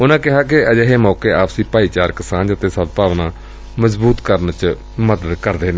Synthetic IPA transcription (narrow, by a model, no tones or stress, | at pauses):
ʊnãːkɪɦaːk̬ɪʔəd͡ʒeɦeːmɔːkeːʔaːpsiːpaːiːt͡ʃaːɾkəsaːnd͡ʒət̪eːsəbpaːʋnãː | məzbuːt̪kəɾnt͡ʃ | məd̪əd̪kəɾd̪eːneː